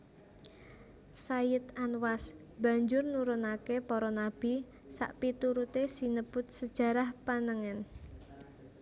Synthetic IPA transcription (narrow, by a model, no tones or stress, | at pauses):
sajɪt̪anwas | b̥a̤ɲd͡ʒʊrnuɾunakepɔɾɔnab̥i | sa̰ʔpit̪uɾut̪esinəb̥ʊt̪̚səd̥ʒ̥ä̤ɾahpanəŋɛn